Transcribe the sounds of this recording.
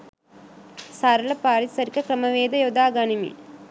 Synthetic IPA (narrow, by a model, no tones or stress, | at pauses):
saːɾɐlɐpaːɾisɐɾikɐkɾɐmɐʋeːd̪ɐjod̪aːɡanimḭ